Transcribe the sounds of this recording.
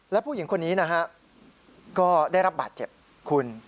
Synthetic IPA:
lɛ˦˥pʰu˥˩ji˩˦ŋkʰo˧nːiː˦˥na˦˥kʰa˦˥ | kɔː˥˩daː˥˩jɾa˦˥p̚baː˨˩t̪̚t͡ɕe˨˩p̚ | kʰu˧n

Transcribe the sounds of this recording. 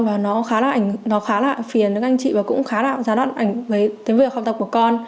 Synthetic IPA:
vaː˨˩nɔ˨˦xaː˨˦la̰ː˨˩ʔa˧˩ŋnɔ˨˦xaː˨˦la̰ː˧˨jfi˨˩ənɗɨ̰˨˦ŋʔa˧ŋ̟t͡ɕḭ˧˨vaː˨˩kʊ̰˧˥ŋ͡mxaː˨˦la̰ː˧˨jzaː˨˦ɗwa̰ː˧˨nʔa˧˩jŋ̟ɣəː˨˦jt̪i˨˦vi˧˩ə˩kxa˧˩ŋ͡mt̪ə˨˩p̚ku˧˩əkɔ˧n

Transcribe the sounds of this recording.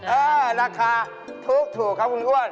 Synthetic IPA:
a˦˨la˦ka˦ | tʰo˦to˨ka˦ɡu˦n˦ɗu˦wa˦˨l

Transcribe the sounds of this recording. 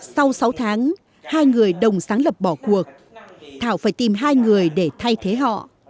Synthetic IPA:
sa˧wsa˨˦wt̪ʰaː˨˦ŋ | haː˧jŋɨ˨˩əjɗə˨˩wŋ͡msaː˨˦ŋlə˨˩p̚ɓɔ˧˩ku˨˩ək̚ | t̪ʰaː˧˩wfaː˧˩jt̪i˨˩mɦaː˧jŋɨ˨˩əjɗe˧˩t̪ʰa˧jt̪ʰe˨˦ɦɔ̰˧˨

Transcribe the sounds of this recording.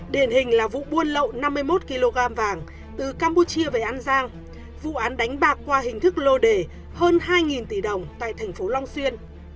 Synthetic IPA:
ɗi˨˩ənɦï˨˩ŋ̟laː˨˩vṵ˧˨ɓu˧ənlə̰˧˨wna˧mːɨ˧əjmo˦˥t̚ki˧lo˧ɣaː˧mvaː˨˩ŋ | t̪ɨ˨˩kaː˧mpu˧t͡ɕi˧əve˨˩ʔa˧nzaː˧ŋ | vṵ˧˨ʔaː˨˦nɗa˨˦jŋ̟ɓaː˨˩kːwaː˧ɦï˨˩ŋ̟t̪ʰɨ˦˥k̚lo˧ɗe˧˩ | həː˧nhaː˧jŋi˨˩nt̪i˧˩ɗə˨˩wŋ͡mt̪a̰ː˧˨jt̪ʰɛ˨˩ŋ̟fo˨˦lɔ˧wŋ͡mswi˧ən

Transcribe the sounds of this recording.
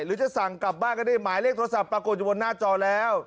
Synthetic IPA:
ɾɯː˨˦t͡ɕa˨˩sa˨˩ŋkla˨˩p̚baː˥˩ŋka˧˥ndiː˧˥˩maː˨˦jle˥˩k̚t̪ʰːa˧sa˨˩pːɾaː˧ko˨˩t̪̚t͡ɕːbo˧nːaː˥˩t͡ɕɔː˧lɛː˦˥w

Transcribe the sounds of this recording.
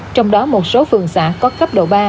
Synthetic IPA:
t͡ɕɔ˧wŋ͡mɗɔ˨˦mo˨˩t̚so˨˦fɨ˨˩əŋsa̰ː˧˥˩kɔ˨˦xa˦˥p̚ɗo̰˧˨ɓaː˧

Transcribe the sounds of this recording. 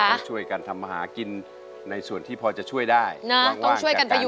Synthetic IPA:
t͡ɕʰu˥˩əjka˧nt̪ʰa˧mːaː˧ha̰ː˩˦ki˧nː | a˧jsu˨˩ənt̪ʰiː˥˩pʰɔː˧t͡ɕa˨˩t͡ɕʰu˥˩əjdaː˥˩jna˦˥ŋɔ˥aː˩ŋʰ˩u˥˩əjka˧npʰa˧ju˧˦

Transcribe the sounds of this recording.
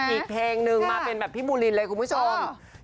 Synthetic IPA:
ʔʔiː˨˩k̚pʰeː˧ŋnɯ˨˩ŋmaː˧pe˧nbɛː˨˩p̪̚ʰi˦˥˩muː˧li˧nlɤː˧jkʰu˧npʰu˥t͡ɕʰo˧m

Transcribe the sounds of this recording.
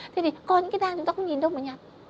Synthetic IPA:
t̪ʰe˧˩t̪ʰi˨˩kɔ˧˩ɲɨ̰˧˥kaː˨˦jɗaː˧ŋt͡ɕʊ˧˦ŋ͡mt̪a˧xə˧wɲi˨˩nɗə˧wməː˨˩ɲaː˧˩

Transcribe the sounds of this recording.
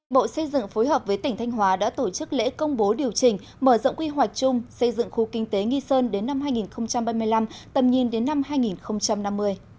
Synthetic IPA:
ɓo̰˧˨sə˧jzɨ̰˧˨ŋfo˨˦jɦəː˨˩p̚vəː˨˦jt̪ï̟˨˩t̪ʰa˧jŋ̟ɦwaː˨˦ɗa̰ː˧˥t̪o˧˩t͡ɕɨ˦˥k̚lḛ˧˥kə˧wŋ͡mɓo˨˦ɗi˨˩əwt͡ɕï˨˩ŋ̟ | məː˧˩zɔ̰˧˨wŋ͡mŋkwi˧ɦwa˨˩jk̟̚t͡ɕʊ˧ŋ͡msə˧jzɨ̰˧˨ŋxu˨˦kï˧ŋ̟t̪e˨˦ŋi˧səː˧nɗe˨˦nːa˧mhaː˧jŋi˨˩nxə˧wŋ͡mt͡ɕa˧mɓaː˧mɨ˧əjla˧mt̪ə̰˧˩p̚ɲi˧ənɗe˨˦nːa˧mɦaː˧jŋi˨˩nxə˧wŋ͡mt͡ɕa˧mna˧mːɨ˧əj

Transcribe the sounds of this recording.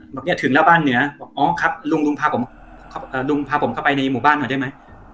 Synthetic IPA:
bɛː˨˩ni˦˥ɐt̪ʰɯ˩˦lɛː˦˥wbaː˥˩˨nːɯ˩˦ɐ˩ʔɔː˨˦˩kʰa˦˥p̚lu˧ŋlu˧ŋpʰaː˧pʰo˩˦m | kʰa˥˩ʔəː˨˩lu˧ŋpʰaː˧pʰo˩˦mkʰa˥˩pa˧jna˧jmuː˨˩baː˥˩nːɔ˨˩da˥˩jma˦˥j

